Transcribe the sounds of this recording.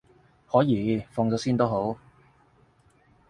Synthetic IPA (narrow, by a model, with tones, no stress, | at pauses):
hɔː˨˥jiː˨˧fɔː˧ŋt͡sɔː˨˥wsiː˥nt̪o˥wɦo˨˥w